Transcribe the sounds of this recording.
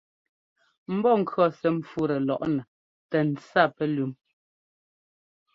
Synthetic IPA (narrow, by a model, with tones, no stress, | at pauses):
m̩˦bɔ˦˨ŋ̩˨kʰɰɔ˦˨sɛ˨˦ɱ̩˨fu˦ɾɛ˨lɔ˨ʔnɛ˨ | tɛ˨n̩˨t͡sa˦˨pɛ˦lʉ˨˦m